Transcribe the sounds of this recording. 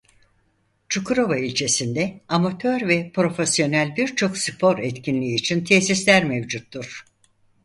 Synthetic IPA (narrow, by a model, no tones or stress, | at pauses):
t͡ʃʰukʰuɾovailʲt͡ʃʰe̞sind̪ɛamat̪ʰøɾvɛpɾo̞fesjo̞nælʲbiɾt͡ʃʰo̞ksɯpʰo̞ɾɛt̪cʰinlʲiːt͡ʃʰint̪ʰesislʲæɾmɛvd͡ʒut̪ːuɾ̥